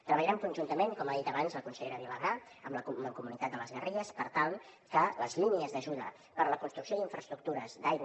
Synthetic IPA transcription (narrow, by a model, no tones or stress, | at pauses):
t̪ɾəβəʎɾɛmkunʲʒunt̪əmeŋkɔmaðit̪əβanzləkunsəʎeɾəβiləɣɾa | əmləuəkumunit̪at̪̚d̪ələzɣəriʎəspəɾt̪alˠ | kələzliniəzðəʒuðə | pəɾləkunst̪ɾuksijoðiɱfɾəst̪ɾuk̚t̪uɾəzd̪aj